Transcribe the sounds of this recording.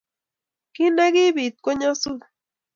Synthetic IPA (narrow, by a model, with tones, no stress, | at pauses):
ki˦na˦ɡi˦βi˨t̪̚ko˦ɲa˦su˦